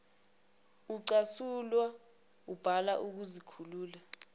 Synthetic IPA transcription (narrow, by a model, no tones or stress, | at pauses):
uǀasulwa | ub̥ʱalaʔuk̬uzikʰuluːla